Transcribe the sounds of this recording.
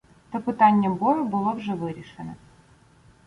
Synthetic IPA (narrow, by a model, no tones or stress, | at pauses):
t̪ɐpɨt̪anʲːəmbojɐbɨlˠəvʐɛvɨɾʲɪʂɨnə̰